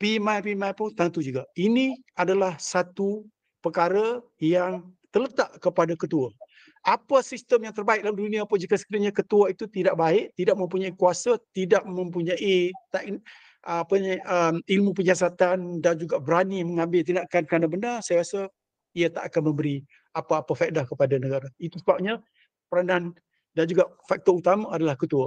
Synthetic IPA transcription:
pimajpimãjpʊnt̪ant̪ud͡ʒuɡainiadalahsat̪u | pərkaɾə | jaŋt̪ərlət̪aʔkəpadakət̪ua | ʔapəsist̪əmjaŋt̪ərbaɪk̚dalamduniapəd͡ʒikasə̥kidaɲakət̪uait̪ut̪idaʔbaɪʔt̪idaʔmə̃mpuɲaikuasat̪idaʔmə̃mp̬uɲaʔit̪aʔn | apəɲaəmilmupəɲasat̪andand͡ʒuɡaʔbəɾaniməŋãmbɪlt̪̬inaʔkankəɾanabənarsajaɾasa | iat̪a̰ʔakanmə̃mbəɾi | apaːpafaʔ̚dahkəpadanəɡaɾait̪usəbap̚ɲa | pəɾanan | dand͡ʒuɡaʔfak̚t̪ɔut̪amaadalahkət̪ua

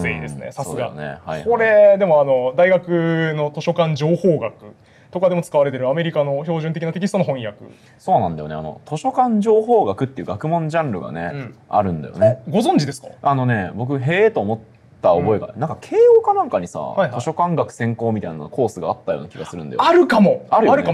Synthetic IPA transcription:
eid̪e̞sɨnḛsasɨɡa̰neha̰jko̞ɾe̞d̪e̞mo̞ano̞d̪aiɡakɯ̟no̞t̪o̞ɕo̞kãɲd͡ʑo̞ːho̞ːɡakɯ̟ | t̪o̞kad̪e̞mot͡sɨ̥kaβaɾe̞t̪e̞ɾɯ̟ame̞ɾʲikano̞ço̞ːʑɨ̃nt̪ek̬ʲinat̪ek̬ʲisɨt̪ono̞ɦõ̞ɰ̃jakɯ̰ | so̞ːnãnd̪ajo̞̰ne̞a̰no̞̰t̪ʰo̞ɕo̞kãɲd͡ʑo̞ːɦoːɡakɯ̟t̪ːe̞iɯ̟ːɡakɯ̟mõ̞ɲd͡ʑãnɾɯ̟ɡa̰nḛɯ̃a̰ɾɯ̟̃nd̪a̰jo̰neɡo̞zõ̞ɲ̟d͡ʑid̪e̞sɨ̥ka̰ano̞ne̞bo̞k̬ɯ̟ɦeːt̪o̞ːmo̞t̪ː | aobo̞eɡa̰nãŋkakʰe̞ːokanãŋkaɲ̟isa̰haitao̞ɕo̞kãŋɡakɯ̟̥sẽ̞ŋko̞ːmʲit̪ainankʰo̞ːsɨɡaːt̪ːajo̰ːnakʲiɡa̰sɨɾɯ̟̃nd̪a̰j̰aɾɯ̟kamo̞aɾɯaɾɯkam

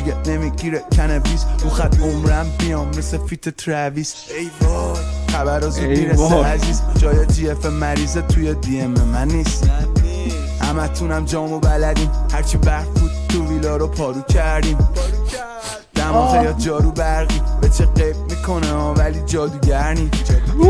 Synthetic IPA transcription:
enemiɡiɾecʲʰænebisɾuːxæd̪omɾæmbijɒːmːesefit̪ʰet̪ʰɾæviːsejbχæbæɾɒzumiɾeseæziːzd͡ʒɒːjed͡ʒiːefemmːæɾiːzet̪ʰujed̪iememænːiːs | hæ̰mæt̪ʰunæmd͡ʒɒːmobælæd̪iːmhæɾt͡ʃʰibæɾfbuːd̪̚t̪ʰuviːlɒɾɔpʰɒːɾuːcʰæɾd̪iːm | d̥̪æmɔɣejɒt̪̚d͡ʒɒːɾuːbæɾɣiːmbet͡ʃʰeɢebmikʰo̞nevæliːd͡ʒɒːd̪uːɟæɾniːm

